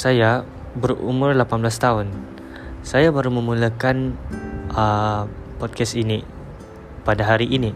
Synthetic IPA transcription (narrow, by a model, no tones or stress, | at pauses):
saja | bərṵmʊrlapanblast̪aɦʊn | sajabaɾumə̃mulakanʔəpɔd̚kɛst̪ini | padaɦaɾiʔini